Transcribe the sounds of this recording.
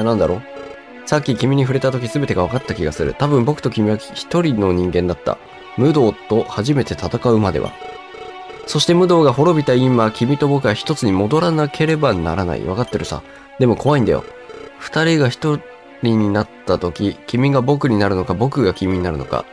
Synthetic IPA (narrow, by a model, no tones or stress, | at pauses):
nãnd̪aɾo̞̰ | sakʲːikʲimʲiɲ̟iɸɯ̟ɾe̞t̪at̪o̞k̬ʲisɨbe̞t̪e̞ɡaβakat̪ːakʲiɡasɨɾɯ̟̰t̪abɯ̟̃mbo̞kɯ̟t̪o̞kʲimʲiβaçi̥t̪o̞ɾʲino̞ɲ̟ĩŋɡẽ̞nd̪at̪ːa̰ | mɯ̟d̪o̞ːt̪o̞haʑime̞t̪e̞t̪at̪akaɯ̟mad̪e̞̰βa̰ | so̞ɕi̥t̪e̞mɯ̟d̪o̞ːɡaɦo̞ɾo̞bʲit̪aimakʲimʲit̪o̞bo̞kɯ̟ɡaçi̥t̪o̞t͡sɨɲ̟imo̞d̪o̞ɾanakʰe̞ɾe̞bana̰ɾana̰ḭβakat̪ːe̞ɾɯ̟sa̰ | d̪e̞mo̞kʰo̞βaĩnd̪a̰jo̰ | ɸɯ̟̥t̪aɾʲiɡaçi̥t̪o̞ | ɾʲiɲ̟inat̪ːat̪o̞kʲikʲimʲiɡabo̞kɯ̟ɲ̟inaɾɯ̟no̞kabo̞kɯ̟ɡakʲimʲiɲ̟inaɾɯ̟no̞̰ka̰